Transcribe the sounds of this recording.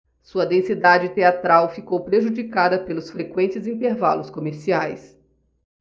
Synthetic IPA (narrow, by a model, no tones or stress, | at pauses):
suɐd̪ẽsid̪ad͡ʒɪt̪eat̪ɾawfikowpɾeʒud͡ʒikad̪ɐpelʊsfɾekwẽnt͡ʃɪzĩnt̪eɾva̰lʊskomeɾsiajs